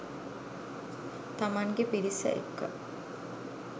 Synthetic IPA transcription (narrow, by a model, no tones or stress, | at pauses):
t̪amaŋɡepiɾisə̰ʔḛkːə̰